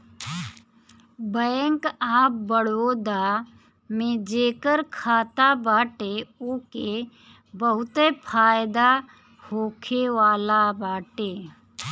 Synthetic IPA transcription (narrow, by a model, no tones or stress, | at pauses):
bəjŋkaːp̚bəɽoːd̪aː | mẽd͡ʒeːkəɾkʰaːt̪abaːʈeoːke | bəɦʊt̪epʰaːjd̪a | hoːkʰeʋaːlabaːʈeː